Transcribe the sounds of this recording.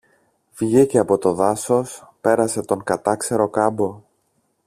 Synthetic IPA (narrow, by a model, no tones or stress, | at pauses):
vʝiceɐpo̞t̪o̞ðɐso̞spe̞ɾɐse̞t̪o̞ŋkɐt̪ɐkse̞ɾo̞kɐbo̞